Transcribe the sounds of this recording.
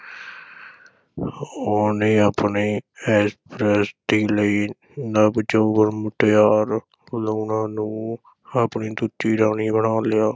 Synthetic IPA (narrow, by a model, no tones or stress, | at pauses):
oneːaːpɳeːɛːspɾɛːsd̪iːləiː | nabd͡ʒouʋəɾmʊʈjaːɾ | loːnãːnũː | apɳiːd̪ut͡ʃiːɾaːniːbəɳaːlɪjaː